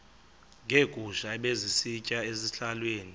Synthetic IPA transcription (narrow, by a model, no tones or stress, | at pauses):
ŋʱeɡ̥ʱuʃaɓezisit͡ʃʼaeziɬalweːni